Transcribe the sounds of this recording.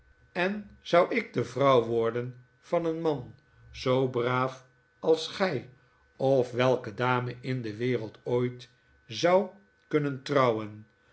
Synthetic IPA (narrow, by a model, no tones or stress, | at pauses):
ɛnz̥ʌwɪɡ̚dəvrɑwʋɔɹdən | v̥ɑnənmɑn | z̥owbraːf | ɑlˠsχɛj | ɔfʋɛlˠkədaːməʔɪndəʋɪːrəlˠtoːjt | zɑw | kɵnəntrɑwən